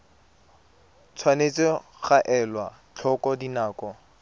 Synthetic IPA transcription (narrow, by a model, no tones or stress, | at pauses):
t͡sʰwanet͡sɪ | χaʔɛlwa | t͡ɬʰɔkʼɔdinaːkɔ